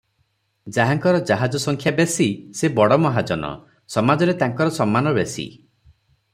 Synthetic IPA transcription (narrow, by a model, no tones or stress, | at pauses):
d͡ʒaɦaŋkɔɾɔd͡ʒaɦad͡ʒɔsɔŋkʰjabesisebɔɽɔmɔɦad͡ʒɔnɔ̰ | sɔmad͡ʒɔɾet̪aŋkɔɾɔsɔmːanɔbesḭ